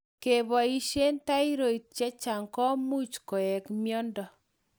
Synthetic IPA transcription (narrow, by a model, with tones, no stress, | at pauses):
ke˨βɔ˨i˦ʃe˦nta˦i˦ɾo˨i˨t̚t͡ʃɛ˦t͡ʃa˨ŋkɔ˦mu˦t͡ʃkɔ˨ɛ˨kmjɔ˦ndɔ˨